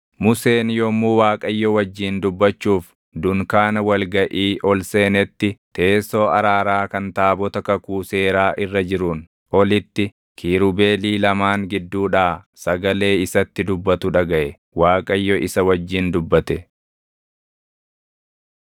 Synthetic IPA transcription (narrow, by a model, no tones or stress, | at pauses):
mʊse̞ːnjɔmuːwaːkʼɐjːɔwɐd͡ʒːiːnd̪ʊbːɐt͡ʃːuːf | d̪ʊŋkaːnɐwɐlɡɐʔiːʔɔlse̞ːnɛt̪ːɪt̪e̞ːso̞ːɐɾaːɾaːkɐnt̪aːbɔt̪ɐkɐkuːse̞ːɾaːʔɪrːɐd͡ʒɪɾun | ʔɔlɪt̪ːɪ | kʰiːɾʊbeːliːlɐmaːŋɡɪd̪ːuːᶑaː | sɐɡɐle̞ːɪsɐt̪ːɪd̪ʊbːɐt̪ʊᶑɐɡɐʔɛ | waːkʼɐjːɔʔɪsɐwɐd͡ʒːiːnd̪ʊbːɐt̪ɛ